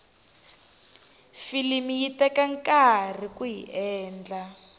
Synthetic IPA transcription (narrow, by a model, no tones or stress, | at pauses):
filimijitɛkaŋkar̤ikuɦḭʔɛːnd͡ɮa